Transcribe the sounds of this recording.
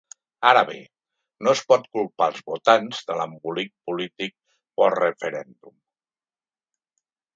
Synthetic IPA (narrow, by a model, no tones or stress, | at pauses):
aɾəβḛ | noəspɔt̪kulˠpalˠzβut̪anzðələmbulik̚pulit̪ik̚ | pɔrəfəɾɛnd̪um